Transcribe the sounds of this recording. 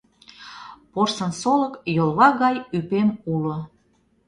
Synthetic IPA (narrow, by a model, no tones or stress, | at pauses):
porsənsoləkjolˠβɑɣɑjypemulo